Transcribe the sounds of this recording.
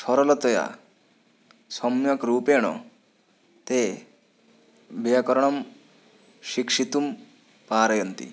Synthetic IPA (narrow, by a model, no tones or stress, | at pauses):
ʃʰɔɾɔlɔt̪ɔja̰ | sɔmjɔkɾuːpeːɽ̃ɔ̰ | t̪e | bijakɔɾɔɽ̃ɔm | ʃikʂit̪um | paːɾɔjɔnt̪ḭ